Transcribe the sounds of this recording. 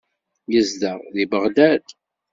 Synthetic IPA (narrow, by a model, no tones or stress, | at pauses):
jəzd̪əʁðibəʁd̪æd̪